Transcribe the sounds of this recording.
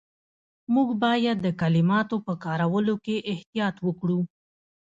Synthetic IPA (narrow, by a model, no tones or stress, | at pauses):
muɡbɑjad̪ːəkalɪmɑt̪opəkɑɾawəlokeʔɪht̪ijɑt̪wəkɽu